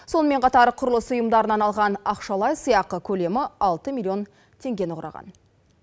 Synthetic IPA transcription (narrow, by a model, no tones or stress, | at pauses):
so̞nəme̞ɴqʰɑt̪ɑɾqʰʊɾəlˠəsʊjəmd̪ɑɾənɑnɑlˠʁɑnɑqʃɑlˠɑjsəjɑq̚əkʲʰɵle̞mɪɑlˠt̪əmʲilʲːio̞n | t̪ʰe̞ŋɡʲe̞nʊʁɾɑ̰ʁɑ̰n